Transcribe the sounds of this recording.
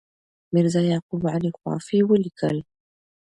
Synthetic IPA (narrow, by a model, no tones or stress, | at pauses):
mɪɾzajaːqubʕalixwa̰ːfiwəlikə̰l